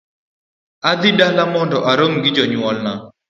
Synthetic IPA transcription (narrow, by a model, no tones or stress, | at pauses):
ad̪ɪdalamɔndɔʔaɾomɡɪd͡ʒɔɲwɔlna